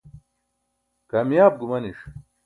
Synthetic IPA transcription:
kɐmjaːb̚ɡumɐniʂ

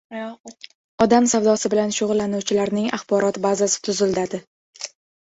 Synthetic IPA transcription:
ɒd̪amsawd̪ɒsɪbɪlanʃʊʁʊlːanuwt͡ʃʰɪlaɾnɪŋaχbɒɾɒt̪bazasɪ̥t̪ʰʊzɪld̪ad̪ɪ

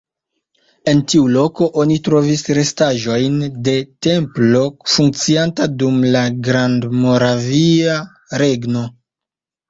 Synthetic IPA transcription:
e̞ntiulo̞ko̞ʔo̞nitɾo̞visɾe̞staʒo̞jnde̞te̞mplo̞fuŋk̚t͡siantadumlaɡɾandmo̞ɾavia | ɾe̞ɡno̞

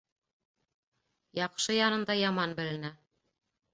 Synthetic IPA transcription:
jɑqʃɤjɑnɤ̆nd̪ɑjɑmɑnbɘ̆lɘ̆næ

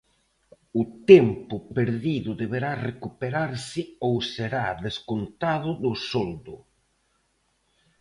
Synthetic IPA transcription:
ʊt̪ɛmpʊpeɾðiðʊðeβeɾarekupeɾaɾsɪowseɾaðeskont̪aðʊðʊsɔld̪ʊ

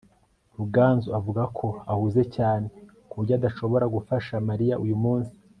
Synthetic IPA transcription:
ɾuɡaːnzuavuɡakʰo̞ahuze̞caːne̞ | kuɾɟadaʃo̞βo̞ɾaɡufaʃamaɾijaʔujumuːnsi̥

